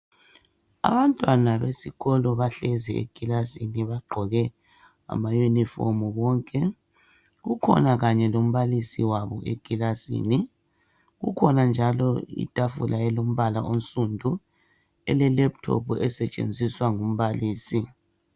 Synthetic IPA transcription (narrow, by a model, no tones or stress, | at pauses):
a̰βantʼwanaβesiɣɔlɔβaɬɛzɛḛɡ̥ʱilasiniβaɡ͡ǃʱɔɣɛ | a̰majunifɔ̰muβɔːŋkʼɛ | ɣukʰɔ̰naɣaɲɛlom̩βalisiwaβɔʔeɡ̥ʱilasḭːni | ɣṵkʰɔnand͡ʒʱalɔḭtʼafṵlaɛlom̩βala̰ʔom̩sʼundʱu | ɛlɛlɛp̚tʰɔ̰puɛsɛt͡ʃʼḛnd͡zʱiswaŋum̩βaliːsi